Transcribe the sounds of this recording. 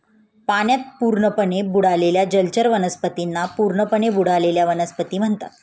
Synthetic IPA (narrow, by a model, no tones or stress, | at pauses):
paɳjat̪̚puɾɳəpəɳebuɽ̤aleljad͡ʑəlt͡ɕəɾʋənəspət̪inːapuɾɳəpəɳebuɽ̤aleljaʋənəspət̪iːm̤əɳt̪a̰t̪